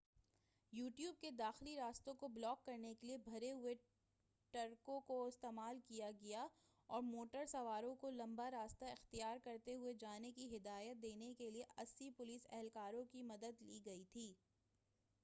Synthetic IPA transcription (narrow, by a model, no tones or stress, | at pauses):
juːʈjuːb̚ked̪aːxliɾaːst̪õkoblɔːkːɐɾnekeliebʱɐɾeɦʊe | ʈɐɾkõkoɪst̪eːmaːlkijaɡɐja | ɔːɾmoːʈəɾsɐʋaːɾõkolɐ̃mbaɾaːst̪aɪxt̪ijaːɾkɐɾt̪eɦʊed͡ʒaːnekiɦɪd̪aːjət̪̚d̪eːnekelieʔɐsːipʊliːsɛ̰ɦɛlkaːɾõkimɐd̪əd̪liːɡɐit̪ʰiː